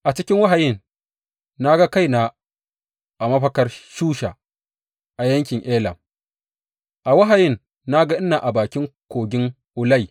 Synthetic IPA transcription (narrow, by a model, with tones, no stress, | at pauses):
ʔa˨t͡ʃɪ˦kʲɪ˦ŋwa˦ɦa˨jɪ˦n | na˦ɡa˦ka˦jna˨ | ʔa˨mɐ˦ɸɐ˦kɐ˦rʃuː˦ʃa˨ | ʔa˨jɐ˦ŋk̬ʲɪ˨ŋʔeː˦lɐ̰˨m | ʔa˨wa˦ɦa˨jɪ˦˨nː | a˦ɡa˦ʔɪ˦nːa˨ʔa˨baː˨kʲɪ˦ŋkʷoː˨ɡʲɪ˦ŋ | ʔʊ˨la˦j